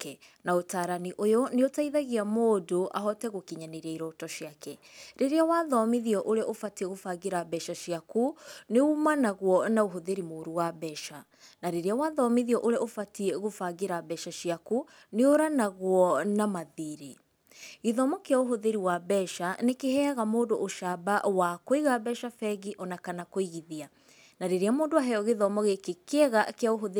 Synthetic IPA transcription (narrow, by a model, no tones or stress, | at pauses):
kɛ | naotaːɾaniʔojoneotaiðaɣiamoːdoʔa̰ɦɔtɛɣokiɲaneɾaiɾɔtɔʃiakɛɾeɾeawaðɔmiðiɔʔoɾeʔofatiɛɣofaɣeɾabɛʃaʃiakuneumanaɣwɔnaoɦoðeɾimoɾuwabɛʃa | naɾeɾeawaðɔmiðiɔʔoɾeofatiɛɣofaɡeɾabɛʃaʃiaku | neoɾanaɣwɔnamaðiɾe | iðɔmɔkeaoɦoðeɾiwabɛʃanekehɛaɣamoːdoʔoʃabawakoiɣabɛʃafɛɣiʔɔnakanakoiɣiðia | naɾeɾeamoːndoaɦɛɔɣeðɔmɔɣekekɛɣakeaoɦoðe